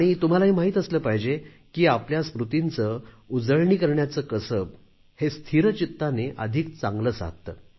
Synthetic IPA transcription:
aɽ̃it̪um̤alaɦimaɦiːt̪əsləːpaɦid͡ʑe | kiːapljaspɾut̪int͡sə | ud͡zəɭɳikəɾɳjat͡səːkəsəb̚ | hest̪ʰiɾət͡ɕit̪ːaneʔəd̪ʱik̚t͡sãŋɡləːsa̰ɦ̚t̪əː

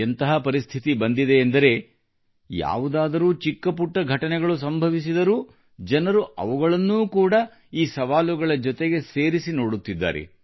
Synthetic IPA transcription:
ent̪ɐɦɐpɐɾist̪ʰit̪ibɐnd̪id̪eːnd̪ɐɾe̞ | ja̰ːʋud̪aːd̪ɐɾuːt͡ʃikːɐpuʈːɐɡʱɐʈɐnɛɡɐɭus̬ɐmbʱɐʋis̬id̪ɐɾuː | d͡ʒɐnɐɾuʔɐ̰ʋuɡɐɭɐnːuːkuːɽɐ | iːsɐʋaːluɡɐɭɐd͡ʒɔt̪eɡe̞se̞ːɾisino̞ːɽut̪ːid̪ːa̰ːɾḛ

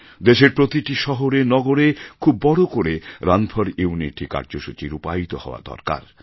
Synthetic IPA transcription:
d̪eʃeɾpɾot̪iʈiʃɔɦoɾenɔɡoɾekʰubːɔɽokoɾeɾanbʰʱɔɾiuniʈika̰ɾd͡ʑoʃut͡ɕiɾupait̪ohɔoa̰d̪ɔ̰ɾka̰ɾ

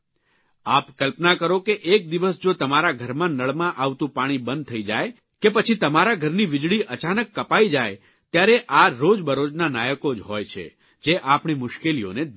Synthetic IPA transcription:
apkəlpnakəɾokeʔek̚d̪iʋəsd͡ʒot̪əmaɾaɡʱəɾmãnəɭmãʔaʋt̪ũpaɽ̃ibə̃nd̪̚t̪ʰəid͡ʒaj | kepət͡ʃʰit̪əmaɾaɡʱəɾniʋɪd͡ʒɭiʔət͡ʃanəkːəpaid͡ʒaj | t̪jaɾeʔaɾod͡ʒbəɾod͡ʒnanajəkod͡ʒɦojt͡ʃʰḛ | d͡ʒeʔapɳimʊʃkelio̰ne

